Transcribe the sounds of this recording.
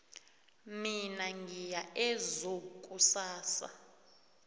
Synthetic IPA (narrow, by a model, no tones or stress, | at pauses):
minaŋijaezokʼusaːsa̰